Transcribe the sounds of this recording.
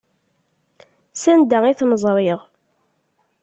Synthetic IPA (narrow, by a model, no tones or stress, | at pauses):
sænd̪æiθməzˤɾˤeʁ